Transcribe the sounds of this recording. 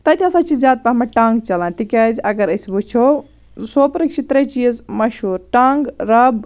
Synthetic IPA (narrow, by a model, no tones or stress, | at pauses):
t̪ɐt̪ʰiɐsɐt͡ʃizjaːd̪̚pɐmɐʈaŋɡt͡ʃɐlãːnt̪ikʲɐzɐɡɐɾɐsbut͡ʃʰo | sopɾikt͡ʃʰit̪ɾɐjt͡ʃizmɐʃuːɾʈaŋɡɾɐb